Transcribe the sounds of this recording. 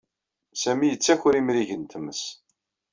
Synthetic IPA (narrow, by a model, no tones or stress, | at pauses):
sæmijət͡sːæçʊɾimɾiʝənt̪məs